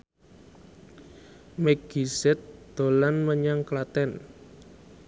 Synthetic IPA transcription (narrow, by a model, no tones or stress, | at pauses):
mɛɡ̥isɛt̪̚d̪̥o̤lanməɲaŋklat̪ɛn